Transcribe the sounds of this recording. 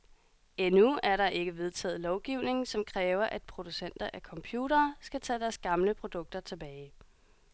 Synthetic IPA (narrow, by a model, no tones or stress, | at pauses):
enuæɐɾɑ̈ʔe̝ɡ̥əʋe̝ðˠt͡sʰɛ̰ːð̞̩ˠlɒʊɡ̥iʊ̰ne̝ŋsɒ̽mkʰʁɛːʊɐʔæd̥̚pʰʁo̝d̥usen̰d̥ɐʔækʰɒ̽mpʰjuːɾɐːsɡ̥æt͡sʰɛːd̥æɐsɡ̥ɑ̈mləpʰʁo̝d̥ɔ̽ɡ̥̚d̥ɐt͡sʰe̝b̥ɛːɪ